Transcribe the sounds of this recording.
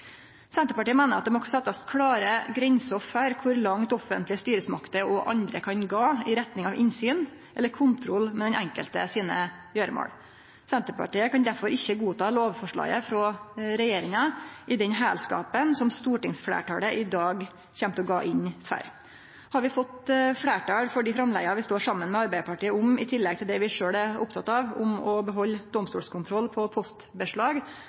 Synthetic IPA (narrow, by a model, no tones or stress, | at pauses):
sɛnt̪əɾpɑʈiːəmæːnəɾɑt̪̚d̪ɛmɔsɛt̪ːɑskʰlɑːɾəɡɾɛɲsɔfəɾkʰʊɾlɑŋt̪ɔfə̰nt̪lɪəst̪yːɾəsmɑkt̪əɔʔɑ̰nd̪ɾəkʰɑnɡɑːɪɾɛt̪nɪŋɑʋʔɪnsyːnʔɛlːəɾkʰʊnt̪ʰɾɔlːmɛd̪ɛnɛŋkə̰lt̪əsiːnəjøːɾəmo̰ːɽ | sɛnt̪əɾpɑ̰ʈiːəkʰɑnd̪æɾfɔɾɪçːəɡuːt̪ʰɑːloːʋfɔʂɭɑ̰ːɪəfɾɔɾɛjeːɾɪŋəʔɪd̪ɛnɦæːlskɑ̰ːpənsɔmst̪uːʈɪŋsflḛːʈʰɑ̰ːɽəʔɪd̪ɑːɡ | çɛmt̪əɔɡɑ̰ːʔɪnfæ̰ɾ | hɑɾʋɪfɔt̪fɽeːʈɑːɽfɔɖiːfɾɑmlæ̰ɡɑʋɪst̪oːɾʂɑmːənmɛɑɾbæɪəpʰɑʈiːəʊmɪt̪ʰɪlːɛɡt̪ʰɪld̪ɛʋɪʂøːɽæʊpt̪ʰɑt̪ːɑːʋʊmɔbəɦɔlːd̪ɔmst̪ṵːlskʰʊnt̪ʰɾɔlːpʰɔpʰɔst̪bəʂɭɑːɡ